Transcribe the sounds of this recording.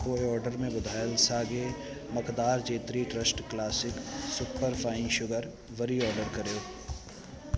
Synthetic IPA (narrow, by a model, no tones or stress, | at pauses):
koːeɔːɾɖəɾmẽbʊd̪ʱaːjəlsaːɡe | mɐkd̪aːɾd͡ʒeːt̪ɾiʈɾəsʈklaːsɪksʊpːəɾfaːĩʃʊɡəɾ | ʋɐɾiɔːɾɖəɾkɐɾjoː